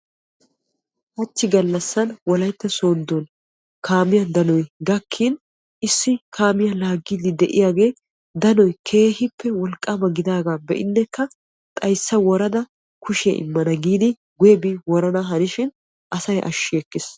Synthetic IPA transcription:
hɐt͡ʃːɪɡɐlːɐsːɐnwɔlɐjt̪ːɛsoːnd̪ɔn | kʰaːmɪjɐd̪ɐnɔjɡɐkʰːin | ʔɪsːɪkʰaːmɪjɐlaːɡːiːd̪ɪd̪ɛʔɪjaːɡe̞ː | d̪ɐnɔjkʰe̞ːhɪpːɛwɔlkʼːabɐɡɪd̪aːɡaːbɛ̰ʔɪnːɛkːɐ | t̪ʼɐjsːɐwɔɾɐd̪ɐ | kʰʊʃɪjɐ̰ʔɪ̰mːɐnɐɡiːd̪ɪ | ɡʊjɛbɪwɔɾɐnɐɦɐnɪʃɪn | ʔɐsɐjʔɐ̰ʃːɪɛkːɪs

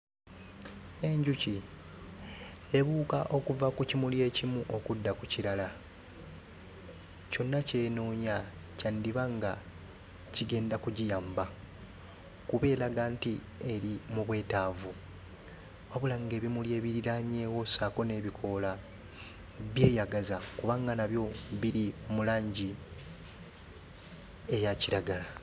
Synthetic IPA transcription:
e̞ɲɟuci | e̞βuːkaʔo̞kuvakucimulje̞ːcimuʔokudːakuciɾala | co̞nːace̞ːnoːɲacandiβaŋɡa | ciɡe̞ːndakuɟijaːmba | kuβe̞ːlaɡanti | e̞ɾimuβwe̞ːtaːvu | aβulaŋɡe̞ːβimulje̞ːβiɾiɾaɲe̞ːwo̞saːko̞ne̞ːβikʰo̞la | βje̞ːjaɡazakuβaŋɡanaβjo̞βiɾimulaːɲɟi | e̞jaciɾaɡala

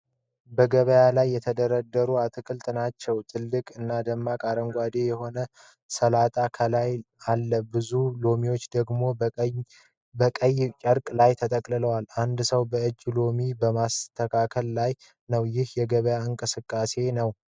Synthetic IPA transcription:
bəɡəβəjalajːɛt̪ʰəd̪əɾəd̪ːəɾuat̪ʰɨkʰɨlt̪ʼnat͡ʃːɛwt̪ʰʼɨlːɨkʼɨnːad̪əmːakʼaɾəŋɡʷad̪ejɛho̞nə | səlat̪ʼakʰəlajalːəbɨzulo̞miwo̞t͡ʃːd̪əɡmo̞ | bəkʼəjt͡ʃʼəɾkʼlajt̪ʰət̪ʼəkʼlɨləwaland̪səwbəɨd͡ʒːlo̞mibəmast̪ʰːəkʰakʰəllaj | nəwjɪhjɛɡəβəjaɨŋkʼɨsɨkʼːase̞nəw

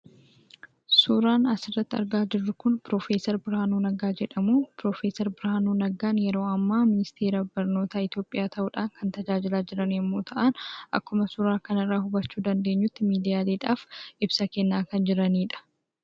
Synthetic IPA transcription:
suːɾaːnɐsɪrːɐt̪ːɪɐ̰ɾɡaːd͡ʒɪrːʊkʊnpɾoːfeːsɐɾbɪɾaːnuːnɐɡaːd͡ʒɛᶑɐmuːpɾo̞ːfeːsɐɾbɪɾaːnuːnɐɡaːnjɛɾo̞ːɐmːaːmɪnɪst̪e̞ːɾɐbɐɾno̞ːt̪aɪt̪jo̞ːpʼːɪjaːt̪ɐʔuːᶑaːŋkɐnt̪ɐd͡ʒaːd͡ʒɪlaːd͡ʒɪɾɐnɛmːoːt̪ʰɐʔɐnʔɐ̰kːʊmɐsʊːɾaːkɐnɪrːaːhʊbɐt͡ʃːuːd̪ɐnd̪e̞ːɲːʊt̪ːɪmiːd̪ɪjaːliːᶑaːfɪbsɐkenːaːkɐnd͡ʒɪɾɐniːᶑɐ̥

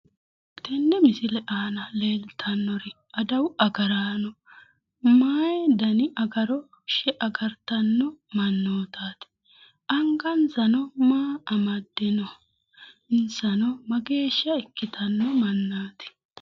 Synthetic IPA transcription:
t̪ɛnːɛmɪsɪlɛʔaːnɐle̞ːlt̪ʰɐnːɔɾɪ | ɐd̪ɐwɐɡɐɾaːnɔ | maːjɛd̪ɐnɪʔɐɡɐɾɔ | ʃɛʔɐɡɐɾt̪ɐnːɔmɐnːoːt̪aːt̪ɪ̥ | ʔɐŋɡɐnsɐnɔmaːɐmɐd̪ːɪnɔ | ɪnsɐnɔmɐɡe̞ːʃɪɐɪkːɪt̪ʰɐnːɔmɐnːaːt̪ɪ̥

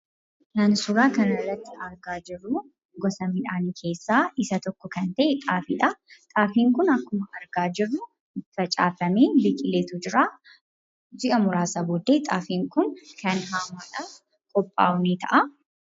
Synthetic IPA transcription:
nɐnsʊɾaːkɐnɐrːɐt̪ːɪɐɾɡaːd͡ʒɪrːuː | ɡɔsɐmɪᶑaːniːkʰe̞ːsːaːʔɪsɐt̪ɔkːɔkɐnt̪ɐʔɛᶑ̪ʼaːfiᶑɐt̪ʼaːfiːŋkʊnɐkːʊmɐɐɾɡaːd͡ʒɪrːʊ | ɪt̪ːɪ̥fɐt͡ʃʼaːfɐmeːbiːkʼɪleːt̪ud͡ʒɪɾaː | d͡ʒɪʔɐmʊɾaːsɐboːd̪eːt̪ʼaːfiːŋkʊnkɐnɦaːmaːᶑaːf | kʼɔpʼːa̰ːʊniːt̪ʰɐ̰ʔɐ

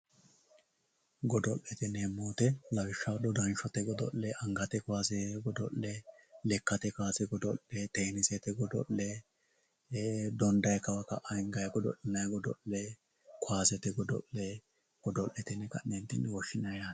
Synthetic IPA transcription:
ɡɔd̪ɔʔːɛt̪ɪneːmːoːt̪ɛlɐwɪʃːɐwd̪ɔd̪ɐnʃɔt̪ɛɡɔd̪ɔ̰ʔːɛʔɐŋɡɐt̪ɛkʊaːsɛɡɔd̪ɔʔːɛlɛkːɐt̪ɛkaːsɛɡɔd̪ɔlːɛt̪eːnɪsɛt̪ɛɡɔd̪ɔ̰lːɛ | d̪ɔnd̪ɐjkɐwɐkɐ̰ʔɐɪŋɡɐjɡɔd̪ɔ̰ʔːɪnɐjɡɔd̪ɔ̰lːɛ | kʊaːsɛt̪ɛɡɔd̪ɔ̰lːɛ | ɡ̥ɔd̪ɔʔːɛt̪ɪnɛkɐnɛnt̪ɪnwɔʃːɪnɐjaː

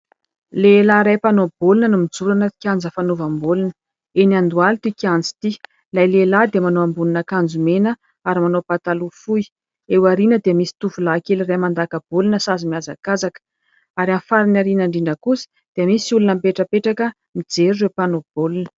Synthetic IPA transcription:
lelaɾajpanob̥olunənumid͡zuɾanət̪i̥kʲiand͡zəfanuvambolinə̥ | eniand̪ualt̪ikiand͡zi̥t̪i | lajlelad̪əmanoambuninakand͡zumenə | aɾimanopat̪alufuj | ewaɾinəd̪eəmisi̥t̪uvulakeliramand̪akəb̥olinəsazimiaza̰kazakə̥ | aɾamfaɾinaɾinaɳɖ͡ʐiɳɖ͡ʐəkusi̥ | d̪̥eəmisiulunəmpeʈ͡ʂəpeʈ͡ʂakə | mid͡zeɾurewpanob̥olinə̥

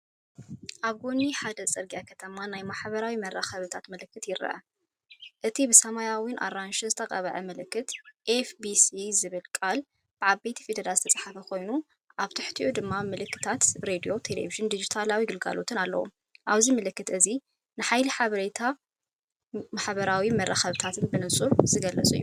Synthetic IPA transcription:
ʔaβɡoniħad̪ɐt͡sʼɨɾɡijakʰɐt̪ʰɐmanajmaħβɐɾawimɐɾaxɐβɨt̪ʰat̪mɐlɨkːɨt̪jɪɾɨ̰ʔɐ̰ | ʔɨt̪ʰibɨsɐmajawinʔa̰ɾanʃɨzɨt̪ʰɐqʼɐβɐ̰ʕɐmɐlɨkːɨt̪ʔefbisizɨβɨlkʼal | b̥ɨʕaβbe̞t̪ʰi̥fid̪ɐɾalzɨt̪ʰɐt͡sʼħafɐkʰo̞jnu | ʔaβt̪ʰɨħt̪ʰiʔud̪ɨmːamɨlɨkːɨ̥t̪ʰat̪bɾed̪ijo̞t̪ʰelḛviʒɨnd̪id͡ʒit̪ʰalawiɡɨlɡa̰lo̞t̪ʰɨnalːɐ̰wṵ | ʔaβzimɨlɨkːɨt̪ʔɨzi | nɨħajlɨħaβɐɾet̪ʰa | maħβɐɾawimɐrːaxɐβɨt̪ʰat̪ʰɨnbɨnɨsʼuɾz̥ɨɡɐlɐt͡sʼṵjːu

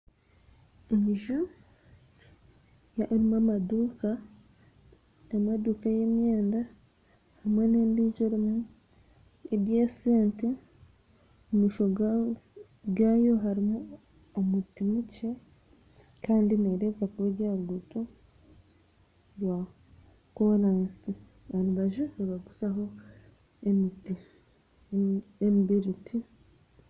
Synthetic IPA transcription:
eɲiʒu | jaʔɾimamaduːka | emaduːkajemjeːnda | hamwe̞ne̞ːmbiːʒoɾimu | eɾjeseːnti | miːʃo | ɡaːjo̞ɦaɾimu | omutimuce̞ | kaːndineɾekakuβeɟaɾɡuto | ɾwa | koɾaːnsi | βanuβaʒuoβaɡusaɦo̞ | emiti | emibiɾitʰi

